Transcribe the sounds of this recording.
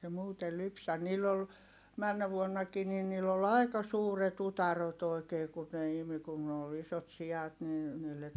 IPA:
se muːtel lypsæ niːlː ol mænːæ ʋuonːɑkiː ni niːlː ol ɑi̯kɑ suːret utɑrot oi̯keː kun ne imi kun ne ol isot siɑt nin̞ niːlːet

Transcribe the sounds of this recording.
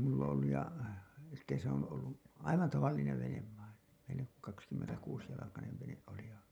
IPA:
mulː on olːuj jɑ sitːe se on olːu ɑiʋɑn tɑʋɑlːineʋ ʋeneʋ ʋɑin ʋenek kɑkskymːentækuːsjɑlɑkɑneʋ ʋeneʔ ʔoli jɑ

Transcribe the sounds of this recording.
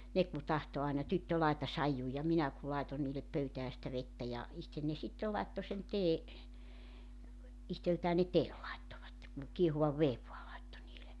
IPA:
ne ku tɑhto ɑinɑ tytːø lɑetɑ sɑijːu jɑ minæ ku lɑeton niːlep pøytæː sĭtæ ʋetːæ jɑ ihten ne sitːel lɑetːo sen teː ihteltæː ne teːl lɑetːoʋɑtːe ku kiehuʋɑʋ ʋeːʋ ʋoɑ lɑitːo niːle

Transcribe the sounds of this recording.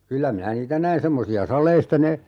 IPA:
kylːæ minæ niːtæ næin semːosiɑ sɑlˑeistɑ ne

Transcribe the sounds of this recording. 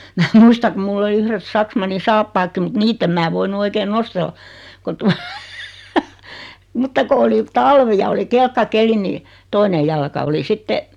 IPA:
mæː muistɑ kum mulː oli yhret sɑksmɑnːi sɑːpːɑːkːi mut niːtː em mæː ʋoinu oikeːn nostelːɑ ko tuɑ mutːɑ ko oli tɑlʋi jɑ oli kelkːɑkeli niː toine jɑlkɑ oli sitːe

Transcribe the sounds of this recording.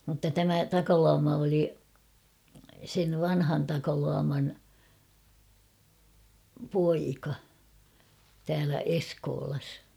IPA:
mutːɑ tæmæ tɑkɑluɑmɑ oli seʋ ʋɑnhɑn tɑkɑluɑmɑn poikɑ tæːlæ eskoːlɑs

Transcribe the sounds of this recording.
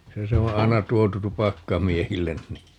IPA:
se se õː ɑi̯nɑ tuotu tupɑkːɑmiehilːen ni

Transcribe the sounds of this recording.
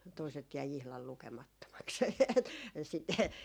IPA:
toiset jæi ihlɑl lukemɑtːomɑks e et sitːe

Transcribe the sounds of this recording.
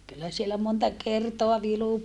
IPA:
kylːæ sielæ montɑ kertoɑ ʋilu

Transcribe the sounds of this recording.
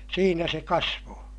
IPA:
siːnæ se kɑsʋoː

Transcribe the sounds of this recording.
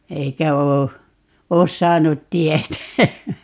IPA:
eikæ oː oːs sɑːnut tietæ

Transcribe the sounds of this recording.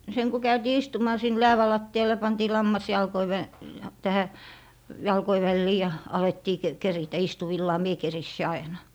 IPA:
seŋ ku kæytiː istumɑː sin læːʋæ lɑtːiɑl jɑ pɑntiː lɑmːɑs jɑlkoi ʋæ tæhæ jɑlkoi ʋælːiː jɑ ɑletːiː k keritæ istuʋilːɑː mie kerisːi ɑinɑ

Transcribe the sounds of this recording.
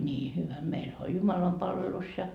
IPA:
nʲiː hyʋæ meilhæ olʲ jumɑlɑmpɑlʋelus jɑ

